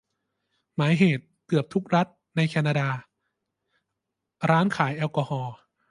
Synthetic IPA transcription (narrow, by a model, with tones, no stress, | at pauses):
maː˩˦jɦeː˨˩t̪̚ːɯ˨˩əp̚t̪ʰu˦˥k̚ɾa˦˥t̪̚ | na˧jkʰɛː˧naː˧daː˧ | ɾaː˦˥nkʰaː˩˦jʔɛː˧wkɔː˧hɔː˧